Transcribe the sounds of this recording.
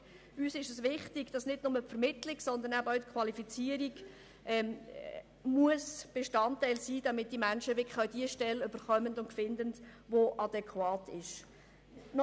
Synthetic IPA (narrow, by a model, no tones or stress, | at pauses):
yːsɪʃəsʋɪχtɪɡd̥ɑsnɪdnʊməpfəɾmɪtlɪksɔnd̪ənæbœwtkʰwɑlifit͡siəɾiɡ | ʔɛm | muəsb̥eʃtɑntːɛɪlsiːd̥ɑmɪt̚d̥imænʃəʋɪkʰə̥χœʊd̥iəʃtɛløb̥əχœməndʊntfɪndəndvoʔɑdɛkʰwɑːtʰɪʃ | nɔ